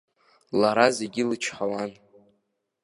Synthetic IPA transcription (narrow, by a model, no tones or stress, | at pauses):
laɾazeɡʲilɨt͡ʃʰħawan